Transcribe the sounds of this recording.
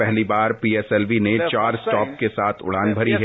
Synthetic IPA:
ɛɦlibaːɾpiːɛsɛlʋinet͡ʃaːɾsʈɔːp̚kesaːt̪ʰʊ̰ɽ̤aːnbʱɐɾiɦɛ

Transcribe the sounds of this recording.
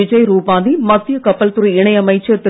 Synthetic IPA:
ɪd͡ʒɐjɾuːpaːnimɐt̪ːɪjɐkɐpːɐlt̪ʊɾiɪɳɐjɐmɐɪt͡ʃːɐt̪ːɯ

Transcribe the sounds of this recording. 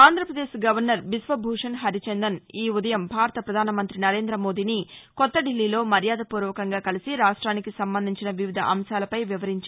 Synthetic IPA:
aːnd̪ʱɾɐpɾɐd̪eːʃɡɐʋɐɾnɐɾbisʋɐbʱuːʂɐnɦɐɾit͡ʃend̪ɐniːud̪ɐjɐmbʱaːɾɐt̪ɐpɾɐd̪ʱaːnɐmɐnt̪ɾinɐɾe̞ːnd̪ɾɐmo̞ːd̪iːnikɔt̪ːɐɖilːiːlo̞ːmɐɾjaːd̪ʱɐpuːɾʋɐkɐŋɡaːkɐlisiɾaːʂʈɾaːnikisɐmbɐnd̪ʱiɲt͡ʃinɐʋiʋid̪ʱɐ̰ʔɐmʃaːlɐpɐjʋiʋɐɾiɲt͡ʃa

